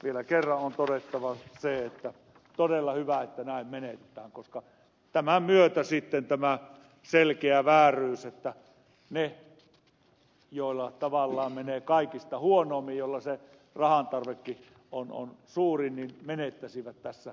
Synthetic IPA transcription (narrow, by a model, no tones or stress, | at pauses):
ʋielækerːɑʔont̪odet̪ːɑʋɑseet̪ːæ | t̪odelːɑhyʋæet̪ːænæˑimmenet̪et̪æːŋkoskɑ | t̪æmæmyøt̪æsit̪ːent̪æmæ | selkeæʋæːrˑyːset̪ːæ | ne | joˑilːɑt̪ɑʋɑlːɑːmmeneːkɑˑikist̪ɑhuonˑoːmːijjolːɑse | rɑhɑnt̪ɑrʋekːi | ono̰nsuːrinninmenet̪ːæsiʋæt̪tæsːæ